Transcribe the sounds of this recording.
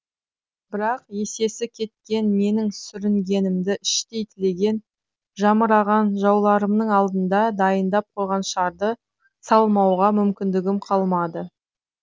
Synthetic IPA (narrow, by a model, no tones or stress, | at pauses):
bɪɾɑqe̞se̞sɪkʲʰe̞t̪̚kʲe̞nme̞nɪŋsʏɾɪŋɡʲe̞nɪmd̪ɪɪʃt̪e̞jt̪ʰɪle̞ɡʲe̞n | ʒɑməɾɑʁɑnʒɑwlˠɑɾəmnəɴɑlˠd̪ənd̪ɑd̪ɑjənd̪ɑp̚qʰo̞jʁɑnʃɑɾd̪ə | sɑlˠmɑwʁɑmʏmkʲɪnd̪ɪɡʲɪmqʰɑlˠmɑd̪ə